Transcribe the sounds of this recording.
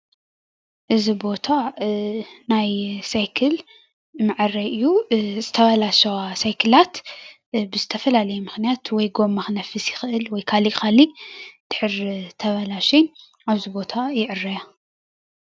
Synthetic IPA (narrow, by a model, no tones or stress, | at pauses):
ʔɨzibo̞t̪ʰa | najsajkʰɨl | mɨʕɨrɐʔɨjːuzɨt̪ʰɐβɐlaʃɐwasajkʰɨlat̪ | bɨzɨt̪ʰɐfɐlalɐjumɨxnijat̪wɔjɡo̞mːaxnɐfɨsjɪxɨʔɨlwɔjkʰalixalid̪̥ɨħɨɾt̪ʰɐβɐlaʃen | aβzibo̞t̪ʰajɪʕɨrːɐja